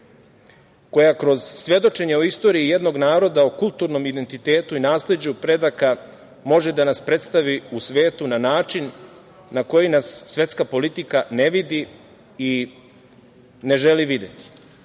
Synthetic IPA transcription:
ko̞jakɾo̞z̥sʋje̞d̪o̞t͡ʃe̞ɲe̞oist̪o̞ːɾiːje̞d̪no̞ɡnaːɾo̞d̪aokulˠt̪uːɾno̞mid̪e̞nt̪it̪e̞ːt̪uinaːsle̞d͡ʑupɾe̞d̪aka | mo̞ʒed̪anaspɾe̞t̪st̪aʋiusʋe̞ːt̪unanaːt͡ʂinː | ako̞jinasːʋje̞t̪skapo̞lit̪ikaneʋid̪i | i | ne̞ʒeliʋid̪e̞t̪i̥

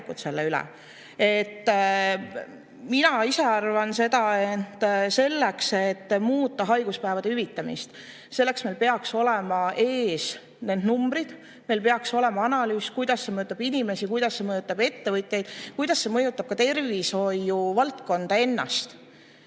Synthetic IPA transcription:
kut̪se̞lːeylɛ̰ | e̞t̪ː | minɑise̞ɑrvɑnse̞d̪ɑet̪ːse̞lːekse̞t̪ːmuːt̪ˑːɑɦɑjɡ̥uspæevɑd̪̥eyvit̪ˑːɑmḭst̪ | se̞lːe̞ksme̞jlpe̞ɑkso̞le̞mɑʔe̞ːs | ne̞nd̪numb̥ɾid̪̥ | me̞jlpe̞ɑkso̞le̞mɑɑnɑlyːskujd̪̥ɑsse̞mɤjut̪ːˑɑb̥inʲime̞sikujd̪̥ɑsːe̞mɤjut̪ːˑɑbe̞t̪ːe̞vɤt̪ʲjejd̪̥kujd̪̥ɑsːe̞mɤ̞jut̪ˑːɑb̥̚kɑt̪e̞rvisho̞jːuvɑlt̪ko̞nd̪̥ɑe̞nːɑ̰st̪

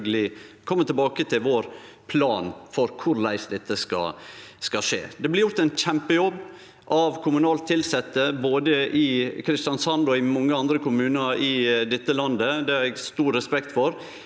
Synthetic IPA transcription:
ɡəlɪkʰɔmːət̪ʰɪlbɑːkət̪ʰɪlʋoːɾ | pʰlɑːnfɔɾkʰʊɾlæɪsd̪ɛt̪ːəskɑ̰skɑʂḛːd̪ɛblɪɾjʊɾt̪æɪnçɛmpəjɔbː | ʔɑʋkʰʊmʉnɑːlt̪ʰːɪlsɛt̪ːəboːd̪əʔɪkʰɾɪst̪jɑnsɑnd̪ɔɪmɔŋːəɑnd̪ɾəkʰʊmʉːnəɾɪd̪ɛt̪ːəlɑnd̪əd̪ɛæɾɛɡst̪uːɾɾɛspɛkt̪fɔɾ

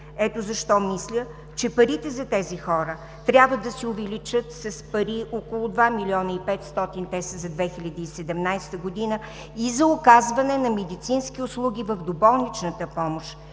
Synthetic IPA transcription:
ɛt̪ozɐʃt̪ɔmislʲə | t͡ʃɛpɐɾit̪ɛzɐt̪ɛzixɔɾə | t̪ɾʲabvəd̪ɐsiʊvɛlit͡ʃət̪sɐspɐɾiʔokolˠʊd̪vamilʲiɔnəipɛt̪st̪ɔt̪int̪ɛsəzɐd̪vɛxilʲɐd̪əːsɛd̪ɛmnajst̪əɡod̪inə | izɐʊkazvɐnɛnɐmɛd̪it̪sinsk̟iʊslˠuɡʲivəvd̪obɔlˠnit͡ʃnət̪əpɔmoʃ

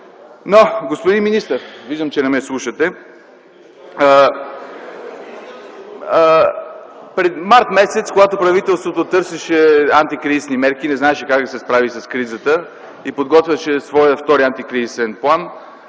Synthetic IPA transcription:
noɡospod̪inminist̪əɾviʒd̪əmt͡ʃɛnɛmɛslˠuʃət̪ɛ | pɾɛmaɾt̪mɛsɛt̪skoɡat̪opɾɐvit̪ɛlˠst̪vot̪ot̪ɤɾsɛʃɛant̪ikɾizisnimɛɾk̟inɛznaɛʃɛkakd̪sɛspɾavisɐskɾizət̪ə | ipod̪ɡɔt̪vʲjəʃɛsvɔjəft̪ɔɾiant̪ikɾizisɛnplˠan

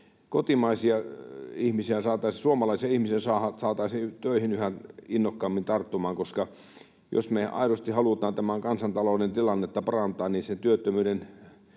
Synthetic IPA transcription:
kot̪imɑisiɑihmisiæsɑːt̪ɑisisuomɑlɑˑisiɑihmisiæsɑːhɑsɑːt̪ɑisit̪øˑihinyhæinːokːɑmːint̪ɑrt̪ːumɑːŋkoskɑ | jo̰smeɑ̰iɾost̪ihɑlut̪ˑɑːnt̪æmæŋkɑnsɑnt̪ɑloˑunent̪ilɑnːet̪ːɑpɑrɑnt̪ˑɑːnniːsent̪yøt̪ːømyːden

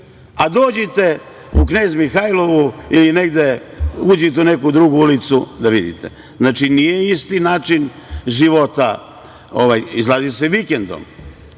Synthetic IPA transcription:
ad̪oːd͡ʑet̪e̞ | ukne̞ːzmixajlˠo̞ʋuiline̞ɡd̪e̞uːd͡ʑet̪̬eunekuud̪ɾuɡuulit̪sud̪aʋid̪ḭt̪ʰḛ | znaːt͡ʃinijeist̪inaːt͡ʃin | ʒiʋot̪a | oʋajizlˠaːziseʋikend̪o̰m

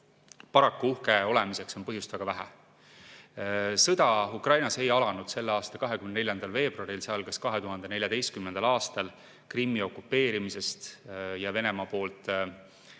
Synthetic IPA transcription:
pɑɾɑkːuuhkeo̞le̞mise̞kso̞npɤɦjust̪væɡ̥ɑvæɦæ̰ | sɤd̪̥ɑukrɑjnɑse̞jɑlɑnud̪̥se̞lːeɑːst̪ɑkɑɦekymnene̞lʲjɑnd̪̥ɑlve̞ːb̥ruɑɾilseɑlɡ̥ɑskɑɦe̞t̪uɦɑnd̪̥ene̞lʲjɑd̪e̞jst̪̚kymnend̪ɑlɑːst̪ɑl | krimːio̞kːupːe̞ːɾimise̞st̪jɑve̞ne̞mɑpo̞ːlt̪ˑ

